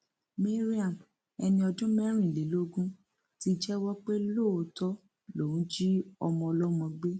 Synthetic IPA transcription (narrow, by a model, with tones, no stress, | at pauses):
me˦ɾi˦a˨m | ɛ˧nĩ˧ɔ˧dũ˦mɛ˦ɾ̃ĩ˦˨le˨˦lo˦ɡũ˦ | ti˦d͡ʒɛ˦wɔ˦k͡pe˦lo˦˨o˧tɔ˦ | lo˨ũ˨˦d͡ʒi˦ɔ˧mɔ̃˧ɔ˧lɔ˦mɔ̃˧ɡ͡be˦